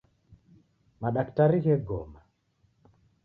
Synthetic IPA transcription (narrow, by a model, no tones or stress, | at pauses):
maɗaktaɾiɣɛɡɔma